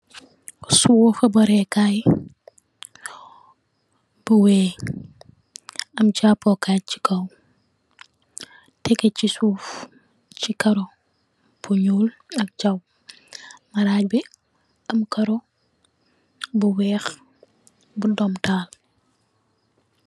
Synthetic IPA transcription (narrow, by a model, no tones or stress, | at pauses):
suwɔfɐbɐɾɛkaːj | b̥uwɛː | ɐmt͡ʃaːpɔkaːci̥kʰɐw | tɛkɛcisuːf | t͡ʃikɐɾɔ | b̥uɲuːlɐk̚t͡ʃɐw | mɐɾaːc̚bi | ɐmkɐɾɔ | buwɛːx | budɔmtaːl